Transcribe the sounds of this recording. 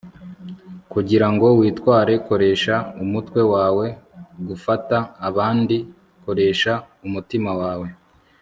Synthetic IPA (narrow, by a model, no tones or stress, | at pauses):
kuɟiɾaŋɡo̞wiːtwaːɾe̞ko̞ɾe̞ːʃaumutkwe̞waːwe̞ɡufataːβaːndi | ko̞ɾe̞ʃa | umutimawaːwe̞